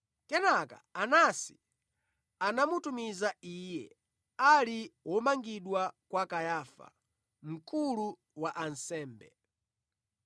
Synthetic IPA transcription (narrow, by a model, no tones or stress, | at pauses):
kɛnaka̰anasi̥ | anamutumizaijɛ | aliwɔmaŋɡiɗwakwakajaːfa̰ | m̩kulu | waʔansɛːmbɛ